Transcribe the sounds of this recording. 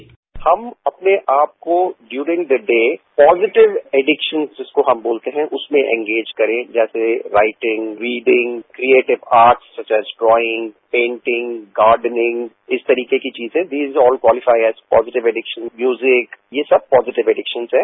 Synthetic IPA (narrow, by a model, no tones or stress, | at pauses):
hɐmɐpneʔaːp̚koɖjuːɾɪ̃ŋd̪əɖeːpɔːzɪʈɪʋɛɖɪkʃə̃nzd͡ʒɪskoɦɐmboːlt̪eɦɛ̃ʔʊsmẽʔɛ̰̃ŋɡeːd͡ʒkɐɾẽd͡ʒɛːseɾaɪʈɪ̃ŋɡɾiːɖɪ̃ŋɡkɾieːʈɪʋaːɾʈsːɐt͡ʃɛːzɖɾɔːɪ̃ŋɡpẽːɳʈɪ̃ŋɡɡaːɾɖənɪ̃ŋɡ | ɪst̪ɐɾiːkekit͡ʃiːzɛ̃d̪iːzɔːlkwɔːlɪfaɪɛzpɔːzɪʈɪʋɛɖɪkʃə̃nmjuːzɪkjeːsɐb̚pɔːzɪʈɪʋɛɖɪkʃə̃nzɦɛ̃ː